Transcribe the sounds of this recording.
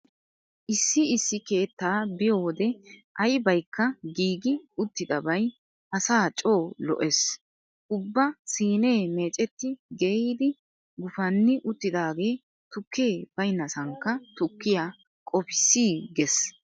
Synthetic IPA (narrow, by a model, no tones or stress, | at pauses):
ʔɪsːɪɪsːɪke̞ːt̪ːaːbɪjowɔd̪ɛʔɐjbɐjkːɐɡiːɡɪʊt̪ːɪd̪ɐbɐj | ʔɐsaːt͡ʃʼo̞ːlɔ̰ʔɛs | ʔʊbːɐsiːne̞ːme̞ːt͡ʃʼɛt̪ːɪɡeiːd̪ɪ | ɡʊfɐnːɪʔʊt̪ːɪd̪aːɡe̞ː | t̪ʊkːeːb̥ɐjnɐsɐŋkːɐt̪ʊkːɪjaː | kʼɔpɪ̥sːiːɡɛs